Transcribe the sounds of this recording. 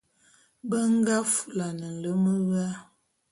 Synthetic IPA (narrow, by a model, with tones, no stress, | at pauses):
bə˦ŋ˦ɡa˦fu˦˨la˨nə˨n̩˨lə˦mə˦ɣa˦